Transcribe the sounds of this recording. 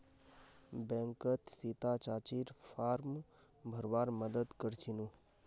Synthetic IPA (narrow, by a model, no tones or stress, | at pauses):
bɛ̃ŋkət̪sit̪at͡ʃaːt͡ʃiɾfaːɾm | bʱəɾʋaːɾməd̪əd̪kəɾt͡ʃʰinũ